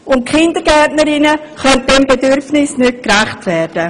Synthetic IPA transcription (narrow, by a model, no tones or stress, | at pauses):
ʊntkʰχɪndəɡɛtnəɾɪnə | χœnt̚b̥ɛmbedʏɾfnɪsnʏt̚krɛχtvɛːɾd̥ə